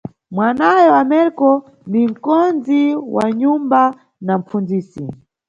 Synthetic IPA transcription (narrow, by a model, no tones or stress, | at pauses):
mwanajɔwamɛɾkɔ | nim̩kɔnd͡ziwa̰ɲumba | nam̩fund͡ziːsi